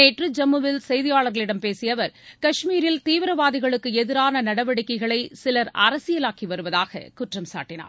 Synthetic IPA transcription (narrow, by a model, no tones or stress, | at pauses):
eːʈrɯd͡ʒɐmːɯʋɪlsɛjðɪjaːɭɐɾɣɐɭɪɽɐmpeːsɪjɐʋɐɾkɐʂmiːɾɪlt̪iːʋɪɾɐʋaːðɪɣɐɭɯkːɯɛðɪɾaːnɐnɐɽɐʋɐɽɯkːɐɪɣɐɭɐɪsɪlɐɾɐ̰ɾɐsɪjɐlaːkiʋɐɾɯʋɐðaːɣɐ̰kʊʈrɐmsa̰ːʈːɪna̰ːɾ